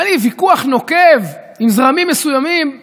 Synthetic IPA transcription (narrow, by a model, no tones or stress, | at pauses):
livikuaχno̞kev | imzʁamimːesujamim